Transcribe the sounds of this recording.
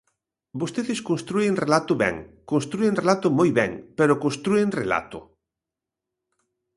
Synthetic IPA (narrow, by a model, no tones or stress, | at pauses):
bost̪eðeskõnst̪ɾuenrelat̪ʊβɛ̰ŋkonst̪ɾuenrelat̪ʊmojβɛŋpeɾʊkonst̪ɾueŋrḛla̰t̪ʊ̰